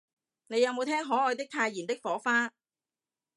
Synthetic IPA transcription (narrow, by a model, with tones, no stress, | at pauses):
ne˨˧jɐ˨˧wmo˨˧wt̪ʰɛː˥ŋɦɔː˨˥ɔː˨˧jt̪ɪ˥k̚t̪ʰaː˧jiː˨˩nt̪ɪ˥k̚fɔː˨˥faː˥